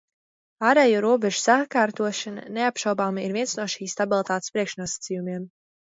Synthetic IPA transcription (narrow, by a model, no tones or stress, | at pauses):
aːɾejuːɾuɔbɛʒu̥sakaːɾt̪uɔʃana̰neapʃawbaːmiɾviɛnsnuɔʃiːsːt̪abilˠt̪aːt̪spɾiɛkʃnuɔsḁt̪sijumiɛm